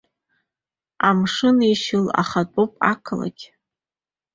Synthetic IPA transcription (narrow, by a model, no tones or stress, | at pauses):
amʂɨniʃɪla̰χat͡pʷʼopʼa̰kʰla̰ɡʲ